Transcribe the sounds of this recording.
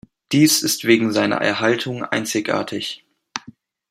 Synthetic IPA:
d̥iːsɪstv̥eːɡŋ̩zaɪnɐ̰ʔɛ̰ɐɦaltʰʊŋʔa̰ɪnt͡sɪçʔa̰ːɐtʰɪç

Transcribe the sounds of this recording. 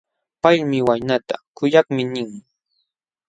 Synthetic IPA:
paʎmɪwajnat̪a̰kʊjakmɪnɪŋ

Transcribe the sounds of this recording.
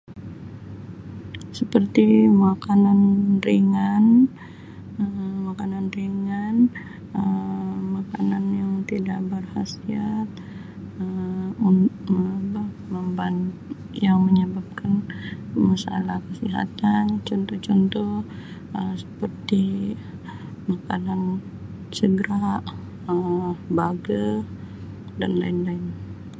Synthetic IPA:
səpərt̪imakananriŋan | əmakananriŋan | əmakananjaŋt̪idaʔbərhasiat̪̚ | əunbah | məmban | jaŋməɲəbap̚kanmasa̰lahkəsiɦa̰t̪ant͡ʃɔnt̪ɔht͡ʃɔnt̪ɔh | əsə̥pərt̪i | makanan | səɡəɾaʔ | əbaɡə | da̰nla̰ɪnlaɪn

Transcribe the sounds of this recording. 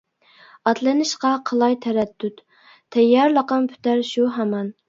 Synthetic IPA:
ɑt̪lˠɨnɨʃqɑqʰəlˠɑjt̪ʰæɾɛd̪̥ːyt̪ | t̪ʰɛjːɑɾlˠɑqɑmpʰy̥t̪æɾʃuɦæmɑn

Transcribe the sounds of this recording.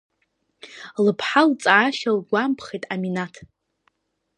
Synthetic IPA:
lɨpʰħalt͡sʼaːʃalɡʷampʰχejtʼaminatʰ

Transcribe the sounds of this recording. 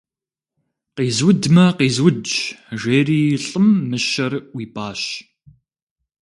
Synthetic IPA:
qiːzwʊdmɐqiːzwʊd͡ʒʒʷeːriːɬʼɨmːɨʃɐrwiːpʰʼaːʃ

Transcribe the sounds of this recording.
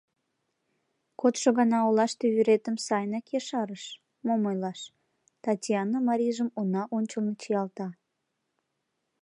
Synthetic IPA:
kot̪ʃoɣɑnɑolɑʃt̪ejyɾet̪əmsɑjnɑkjeʃɑɾəʃ | momojlɑʃ | t̪ɑtʲijɑnːəmɑɾʲiʒəmunɑʔonʲt͡ɕəlnot͡ɕijɑlt̪ɑ

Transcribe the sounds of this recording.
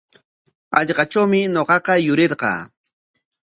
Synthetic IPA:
ɑʎɢɑʈ͡ʂawmɪɲoqɑqɑjʊɾɪɾqɑ̰ː

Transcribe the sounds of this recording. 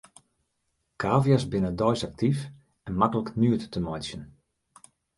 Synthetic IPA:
kʰaːvjasbɪnədɔjsak̚tif | ɛnmakələknyətːəmɔjsjən

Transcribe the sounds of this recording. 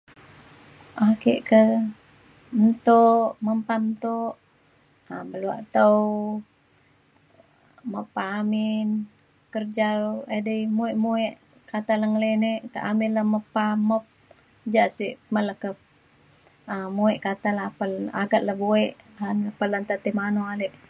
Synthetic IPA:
ʔakeʔkə | n̩t̪oʔməmpant̪oʔ | abəlua̰ʔt̪əw | məpaːmɪn | kərd͡ʒaɾadəimuiʔmueʔ | kat̪aləŋleneʔkaʔamɪlːəməpaməp̚ | d͡ʒaʔsiʔmələkə | əmuɛʔkat̪alapəla̰ɡat̪̚ləbueʔanəpəlant̪at̪imanoaleʔ

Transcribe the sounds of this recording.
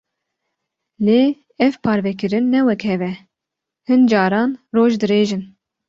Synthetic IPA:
leː | ɛvpʰɑːɾvɛkɨɾɨnːɛwɛkhɛvɛ | hɨnd͡ʒɑːɾɑːnroːʒd̪ɨɾeːʒɨn

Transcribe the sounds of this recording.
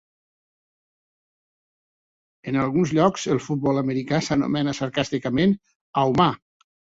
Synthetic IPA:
ənalˠɣunzʎɔkzəlˠfut̪̚bɔləməɾikasənṵmɛnəsəɾkast̪ikəmen | awma

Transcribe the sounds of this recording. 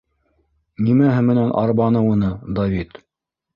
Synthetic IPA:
nimæɦɘ̆mɘ̆nænʔɑ̰ɾβɑnɤwunɤd̪ɐvit̪

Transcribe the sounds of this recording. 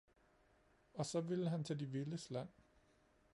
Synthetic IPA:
ɒ̽sɒ̽ʋiləɦænt͡sʰed̥iʋiləslæn̰

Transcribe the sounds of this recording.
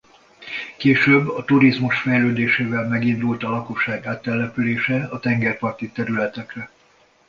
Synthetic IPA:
keːʃøːbːɒt̪uɾizmuʃfɛjløːd̪eːʃeːvɛlmɛɡind̪ult̪ɒlɒko̞ʃːaːɡaːt̪ːɛlːɛpyleːʃɛɒt̪ɛŋɡɛrpɒrt̪it̪ɛɾylɛt̪ɛkrɛ

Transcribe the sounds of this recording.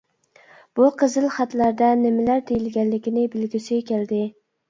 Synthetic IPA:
b̥uqʰəzɨlˠχæt̪læɾd̪ɛnɪmɪlæɾd̪ejɪlɡʲɛnlɪkʲɪnɪbɪlɡʲisɪkʲæld̪ɪ

